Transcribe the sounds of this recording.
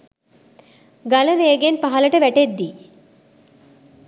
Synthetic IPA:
ɡaləmeːəɡenpaɦɐləʈəʋæʈed̪ːi

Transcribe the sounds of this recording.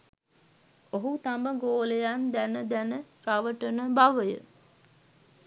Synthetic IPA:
oɦut̪ambəɡoːlejand̪ænəd̪ænə | ɾaʋəʈənəbaʋəjə̰

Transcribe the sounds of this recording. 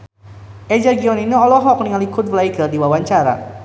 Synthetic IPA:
ʔɛd͡ʒaɡiɔniniɔlɔɦɔk̚niŋalikʊt̪̚vlaikərdiwawaɲt͡ʃaɾa̰

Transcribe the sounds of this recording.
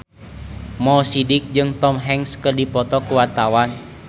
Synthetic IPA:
mɔsidɪk̚d͡ʒɨŋt̪ɔmɦɛŋskərdipɔt̪ɔkəwart̪awan

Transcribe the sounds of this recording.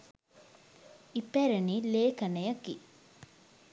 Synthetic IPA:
ipæɾənileːkənəjəki

